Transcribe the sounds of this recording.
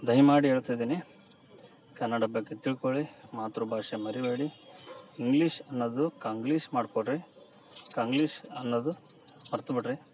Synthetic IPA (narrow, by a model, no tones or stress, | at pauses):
d̪ɐjmaːɽiɦeːɭt̪ajd̪iːni | kɐnːɐɽɐbɐɡːet̪iɭkoɭimaːt̪ɾubʱaːʂemɐɾibeːɽi | iŋɡliːʂɐnːod̪ukaːŋɡliːʃmaːɖkoɖɾi | kaːŋɡliːʂɐnːod̪u | mɐɾt̪ubiʈɾe